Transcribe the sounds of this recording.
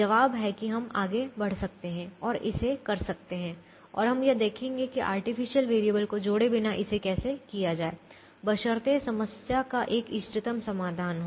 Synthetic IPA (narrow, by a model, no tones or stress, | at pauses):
d͡ʒɐʋaːbɦɛkiɦɐmaːɡebɐɽ̤sɐk̚t̪eɦɛ̃ɔːɾɪ̰sekɐɾsɐk̚t̪eɦɛ̃ː | ɔ̰ːɾɦɐmjɐd̪eːkʰẽːŋɡekiʔa̰ːɾʈifɪʃijəlʋeːɾijəbəlkod͡ʒoːɽebɪnaʔɪsekɛːsekijad͡ʒaːeː | bɐʃəɾt̪esɐməsjakaʔeːkɪʃʈ̪ɪt̪əmsɐmaːd̪ʱaːnɦoː